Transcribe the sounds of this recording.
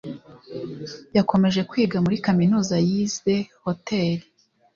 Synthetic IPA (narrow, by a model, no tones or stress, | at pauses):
jako̞me̞ʒe̞kwiːɡamuɾikaminuːzajize̞ho̞teɾi